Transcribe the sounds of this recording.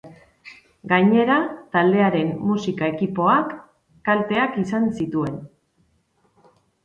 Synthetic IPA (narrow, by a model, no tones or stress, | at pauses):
ɡajɲe̞ɾat̪ald̪e̞aɾe̞mmusikae̞kipo̞akː | alt̪e̞akisansit̪ue̞n